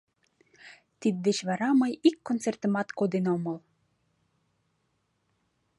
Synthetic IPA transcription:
t̪id̪̚d̪et͡ɕβɑɾɑmɤjikːont͡sert̪ə̆mɑt̪kod̪enomɤl

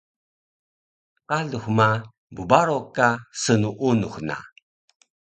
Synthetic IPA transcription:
qaɮuxma | bubaɾokasənuʔunuxna̰

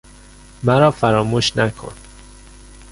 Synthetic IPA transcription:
mæɾɒːfæɾɒːmuːʃnækʰo̰n

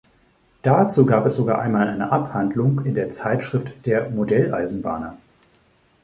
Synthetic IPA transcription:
d̥at͡suːɡaːpɛsz̥oɡaːʔa̰ɪnmaːlʔaɪnəʔaphandlʊŋkɪndeːɐt͡saɪtʃʁ̥ɪftd̥eːɐmodɛlʔa̰ɪzn̩ba̰ːnɐ

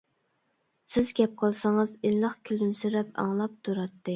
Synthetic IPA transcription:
sɪzɡʲɛp̚qʰəlˠsɑŋəzinlˠəχkʲʰylymsiɾɛpɑ̰ŋlˠɑp̚t̪ʰuɾɑt̪ʰːɨ

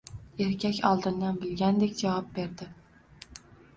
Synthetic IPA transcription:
e̞ɾkʲʰakʲɒlˠd̪ɪnd̪anbɪlɡʲand̪e̞kʲd͡ʒavɒp̚be̞ɾd̪ɪ

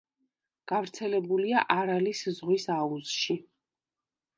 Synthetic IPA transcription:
ɡ̥avɾt̪sʰɛlɛbuliaʔaɾaliszʁwisauz̥ʃi

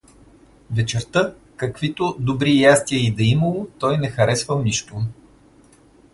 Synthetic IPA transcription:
vɛt͡ʃɛɾt̪ə | kɐkv̥it̪od̪obɾijast̪iəid̪ɐiməlˠot̪ɔjnɛxɐɾɛsvəlˠniʃt̪ʊ

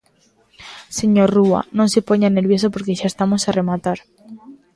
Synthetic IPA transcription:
seɲorua̰nõŋsepoɲanelβjes̬opoɾkeʃaest̪amosaremat̪aɾ

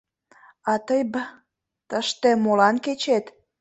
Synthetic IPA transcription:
ɑt̪əjbə | t̪əʃt̪emolɑnket͡ɕet̪

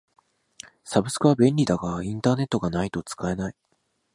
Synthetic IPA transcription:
sabɯ̟sɨ̥kɯβabẽ̞nʲɾʲid̪aɡaĩnt̪aːne̞t̪ːo̞ɡanait̪o̞t͡sɨ̥kae̞nai

